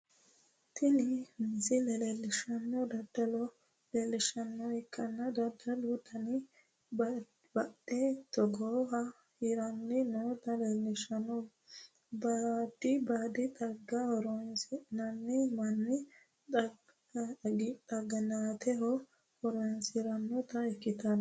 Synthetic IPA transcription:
t̪ʰɪlɪhɪnsɪlɛlɛlːɪʃɐnːɔd̪ɐd̪̥ɐlɔ | lɛlːɪʃɐnːɔɛkʼːɐnːɐd̪ɐd̪ɐlut̪ɐnɪ | bɐdɛt̪ɔɡoːhɐ | hɪɾɐnːɪnoːt̪ɐlɛlːɪʃɐnɔ | bɐd̪ɪbaːd̪ɪt̪ʼɐɡːɐhɔɾɔnsɪnɐnːɪmɐnːɪ | ɐ | ɡɪt̪ɐɡɐnaːt̪ɛɦɔ | hɔɾɔnshɪɾɐnːɔt̪ɐɛkːɪt̪ɐn

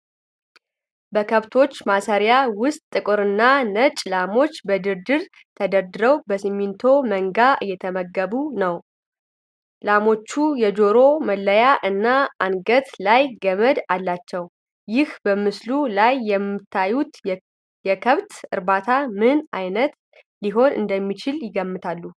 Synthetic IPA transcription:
bəkʰəβt̪ʰo̞t͡ʃːmasəɾjawʊst̪ʼːɨkʼɨɾɨnːanət͡ʃʼlamo̞t͡ʃːbəd̪ɨɾd̪ɨɾ | t̪ʰəd̪əɾd̪ɨɾəwbəsɨmːint̪ʰo̞məŋɡaʔɨ̰jːɛt̪ʰəməɡːəβunəw | lamo̞t͡ʃːujɛd͡ʒo̞ɾo̞məlːəjaʔɨnːaanɡət̪lajɡəməd̪alːat͡ʃːɛw | jɪhbəmɨslulajːɛmɨt̪ʰːajut̪ | jɛkʰəβt̪ɨ̰ɾbat̪ʰamɨnʔajnət̪ | liɦo̞nɨ̰nd̪əmːit͡ʃʰɪljɪɡəmːɨt̪ʰalːu

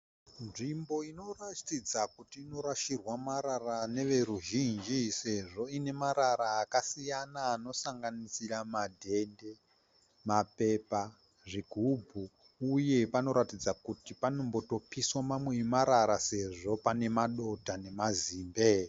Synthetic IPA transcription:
nʐimbo̞ino̞ratid͡zakutiːno̞ɾaʃirwamaɾarane̞ʋe̞ɾuʒind͡ʒise̞ʐo̞ine̞maɾaɾaːkasijanaːno̞saŋɡanisiramadʱe̞nde̞ | mape̞pa | ʐiɡʱubʱu | uje̞pano̞ɾatid͡zakutipanombo̞to̞piswamamweimaɾaɾase̞ʐo̞pane̞maɗo̞tane̞maziːmbe

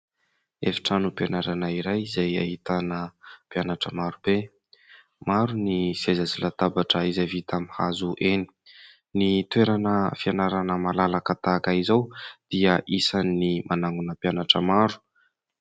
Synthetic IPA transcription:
efi̥ʈ͡ʂanupianaɾanaiɾajizaja̰ɦit̪anəpjanaʈ͡ʂəmaɾube | maɾunisezazilat̪abaʈ͡ʂəizavit̪amiha̰zuʔeni̥ | nit̪weɾanəfianaɾanəmalalakat̪akaizawd̪̥iəʔisanːimʔanaŋɡunəpjanaʈ͡ʂəmaɾu̥

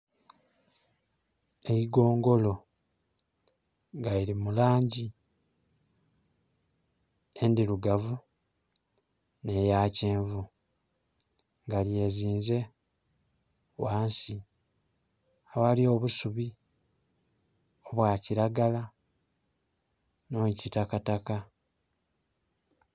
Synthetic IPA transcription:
eiɡo̞ːŋɡo̞lo̞ | ŋɡaiɾimulaːɲɟi | e̞ndiɾuɡavu | ne̞jaːceːɱvu | ŋɡalje̞ːziːnze̞ | waːnsi | awalio̞ːβusuβi | o̞βwaːciɾaɡala | nocitakataka

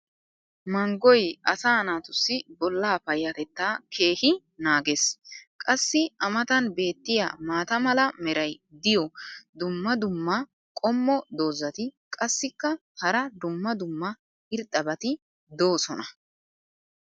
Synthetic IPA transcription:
mɐŋɡɔjɐsaːnaːt̪ʊsːɪbɔlːaːpɐjːɐt̪ɛt̪ːaːkʰe̞ːhɪ | naːɡeskʼɐsːɪɐmɐt̪ɐnbe̞ːt̪ːɪja̰maːt̪ɐmɐlɐmɛɾɐjd̪ɪjɔd̪ʊmːɐd̪ʊmːɐ | kʼɔmːɔd̪o̞ːzɐt̪ɪkʼɐsːɪkːɐhɐɾɐd̪ʊmːɐd̪ʊmːɐ | ɪɾt̪ʼːɐbɐt̪ɪ | d̪o̞ːsɔnɐ

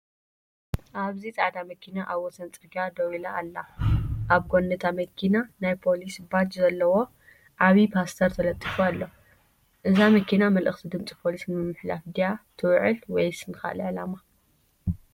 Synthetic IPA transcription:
ʔaβzit͡sʼaʕd̪amɐkʰinaʔaβɔsɐnt͡sʼɨɡad̪ɐwilaːlːaʔaβɡonːɐt̪ʰamɐkʰinanajpʰo̞lisbat͡ʃzɐlːɐwo̞ | ʕaβipʰast̪ʰɐɾt̪ʰɐlɐt̪ʼːifualːo | ʔɨzamɐkʰinamɐlʔɨxt̪ʰid̪ɨmt͡sʼi̥pʰo̞lisnɨmːɨħlafd̪ijat̪ʰɨwʕɨlwɔjsɨnɨxa̰lʕlama

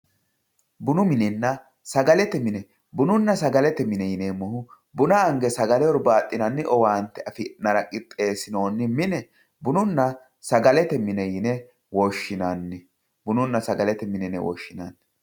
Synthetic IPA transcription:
bʊnʊmɪnɛnːɐ | sɐɡɐlɛt̪ɛmɪnɛ | bʊnʊnːɐsɐɡɐlɛt̪ɛmɪnɛjɪnɛmʊhʊ | bʊnaːŋɡɛsɐɡɐlɛɔɾbaːt̪ʼːɪnɐnːɪʔɔwaːnt̪ːɛɐfɪnɐɾɐkʼɪpʼːe̞ːsɪno̞ːnːɪmɪnɛ | bʊnʊnːɐ | sɐɡɐlɛt̪ɛmɪnɛjɪnɛ | wɔʃːɪnanːɛ | bʊnʊnːɐsɐɡɐlɛt̪ɛmɪnɛnɛ̰wɔ̰ʃːɪnɐnːɛ

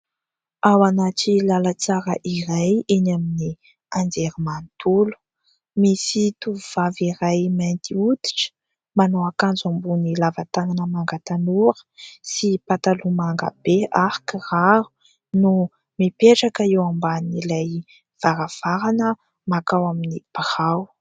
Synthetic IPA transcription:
awanaʈ͡ʂilalat͡saɾəʔiɾajenamini | and͡zeɾimant̪ulu̥ | misit̪uv̥aviɾajmant̪iut̪i̥ʈ͡ʂə̥ | manoakand͡zambunilavat̪aŋanəmaŋɡat̪anuɾə̥sipat̪alumaŋɡa̰b̥eaɾikiraɾu̥ | nu | mipeʈ͡ʂakəewambanilaj | v̥aɾav̥aɾanə | makawaminib̥haw

